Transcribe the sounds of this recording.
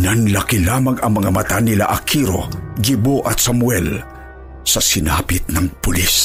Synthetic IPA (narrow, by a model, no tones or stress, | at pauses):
nanlɐkilaːmɐŋɐŋmɐŋamɐt̪anɪla̰ʔɐkʰiɾo̰ɡiboʔɐt̪samwɛl | sɐsɪnaːpɪt̪̚nɐŋpʊlis